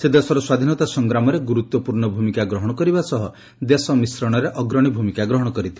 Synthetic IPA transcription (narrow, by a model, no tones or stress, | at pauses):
sed̪esɔɾɔswad̪ʱinɔt̪asɔŋɡɾamɔɾeɡuɾut̪wɔpuɾɳɔbʱumikaɡɾɔɦɔɽ̃ɔkɔɾibasɔɦɔ | d̪esɔmisɾɔɽ̃ɔɾeʔɔɡɾɔɽ̃ibʱumikaɡɾɔɦɔɽ̃ɔkɔɾit̪ʰi